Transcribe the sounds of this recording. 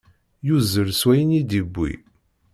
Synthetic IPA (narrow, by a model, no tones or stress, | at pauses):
juzəɾswæjənid̪ibːḭ